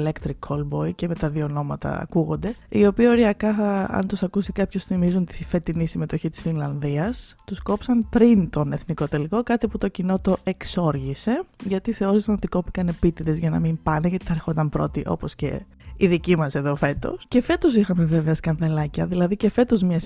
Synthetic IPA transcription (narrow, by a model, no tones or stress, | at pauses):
lekt̪ɾikʰːolbo̞iceme̞t̪ɐðiono̞mɐt̪ɐ̰ɐ̰kuɣo̞nd̪e̞io̞piɐoɾiɐkɐɐ̰nt̪usɐkusikɐpçosθimizunt̪i̥fe̞t̪inisime̞t̪o̞çit̪i̥sfinlɐnðiɐst̪usko̞psɐnpɾint̪o̞ne̞θniko̞t̪e̞liko̞kɐt̪iput̪o̞cino̞t̪o̞ʔe̞kso̞ɾʝise̞ʝɐt̪iθe̞o̞ɾisɐno̞t̪iko̞pikɐne̞pit̪iðe̞zʝɐnɐmimpɐneʝɐt̪i̥t̪ɐɾxo̞t̪ɐmpɾo̞̰t̪iʔo̞̰po̞sce̞̰ | iðicimɐse̞ðo̞fe̞t̪o̰sce̞fe̞t̪o̞sixɐme̞ve̞veɐskɐnθe̞lɐcɐðilɐðicefe̞t̪ozmɲɐ